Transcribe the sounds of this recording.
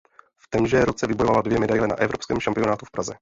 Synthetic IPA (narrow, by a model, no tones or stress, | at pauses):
ft̪ɛmʒɛːɾot͡sɛvɪbojovaladvjɛmɛdajlɛna̰ʔɛvɾo̞pskɛːmʃampɪo̞naːt̪ufpɾʔazɛ